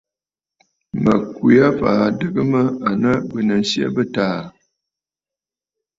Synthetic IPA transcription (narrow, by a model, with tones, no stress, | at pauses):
mə˨kwi˨a˦faː˨dɨ˦ɡɨ˦mə˦a˨nə˦bə˨nə˨n̩˦sjə̰˦bə˦taː˦˨